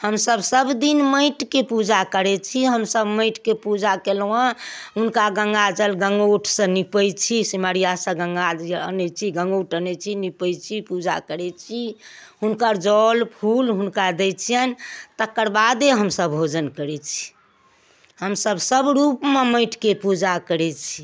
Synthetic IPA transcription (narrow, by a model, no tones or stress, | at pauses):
həmsəbsəbd̪inməɪʈkepud͡ʒakəɾɛt͡ʃʰiɦəmsəbməɪʈkepud͡ʒakelwãɦunkaɡə̃ŋɡad͡ʒəlɡəŋɡoʈʰsə̃nipəjt͡ʃʰisimaɾijasə̃ɡə̃ŋɡaənɛt͡ʃʰiɡə̃ŋɡoʈənɛt͡ʃʰinipəjt͡ʃʰipud͡ʒa̰kəɾɛt͡ʃʰiɦunkəɾd͡ʒɔlpʰulɦunkad̪ɛt͡ʃʰijənt̪əkəɾbad̪eɦəmsəbbʱod͡ʒənkəɾɛt͡ʃʰi̥ | həmsəbsəbɾupmeməɪʈkepud͡ʒakəɾɛt͡ʃʰi